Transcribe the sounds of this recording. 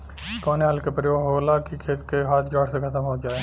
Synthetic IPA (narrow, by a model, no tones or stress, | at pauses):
kɔːneɦɐlkepɾəjoːɡɦolaːkikʰeːt̪keɦaːt̪ʰd͡ʒaːɽsekʰɐt̪əmɦod͡ʒaːeː